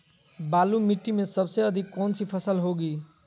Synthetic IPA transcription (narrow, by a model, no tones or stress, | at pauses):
balumiʈːimesʌbsʌjʌd̪ʱikːont͡sʰipʰʌsəlɦoɡi